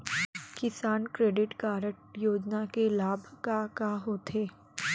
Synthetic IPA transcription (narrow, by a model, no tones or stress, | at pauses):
kɪsaːnkɾeːɖɪʈkaːɾəʈjoːd͡ʒnakelaːbʱkakaɦoːt̪ʰeː